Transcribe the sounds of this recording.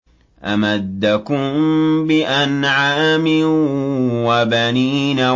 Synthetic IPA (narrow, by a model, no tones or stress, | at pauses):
ʔamad̪ːakʊmbɪʔanʕaːmɪ | wabaniːna